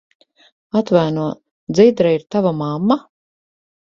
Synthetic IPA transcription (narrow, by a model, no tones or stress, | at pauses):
at̪vajnuɔ | d̪zid̪ɾaiɾt̪avamamːa